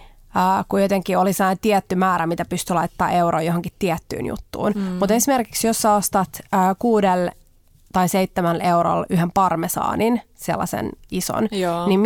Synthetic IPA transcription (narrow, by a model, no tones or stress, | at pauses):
kujot̪eŋkːiolisɑːnt̪iɛt̪ːymæːɾæmit̪æpyst̪ylɑit̪ːɑ̰ːʔewɾo̰ːjoɦoŋkit̪ːiɛt̪ːy̰ːnjṵt̪ːṵːnmut̪esimerki̥ksjosːɑost̪ɑt̪əːkuːdel | t̪ɑiseit̪ːemæleuɾo̰lyɦempɑrmesɑ̰ːnin | sḛlːɑ̰sḛniso̰nnim